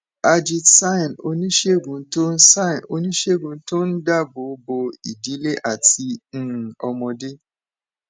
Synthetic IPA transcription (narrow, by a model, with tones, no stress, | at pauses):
a˧d͡ʒi˧tsa˦˨no̰˧nĩ˦ʃe˦˨ɡũ˨˦to˦n̩˦sã˦˨no̰˧nĩ˦ʃe˦˨ɡũ˨˧˦to˦n̩˦da˦˨bo˨˦bo˧i˨di˨˦le˦ʔa˦˨tĩ˧˦˨ | ɔ˧mɔ̃˧de˦